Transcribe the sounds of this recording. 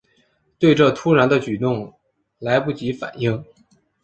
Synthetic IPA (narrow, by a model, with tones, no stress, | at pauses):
t̪we˥˧ɪʈ͡ʂɤ˥˩t̪ʰu˥ɻa˧˥nd̪ə˧t͡ɕy˨˩t̪ʊ˥˩ŋ | la˧˥ɪpu˥˩t͡ɕi˧˥fa̰˨˩ni˥˩ŋ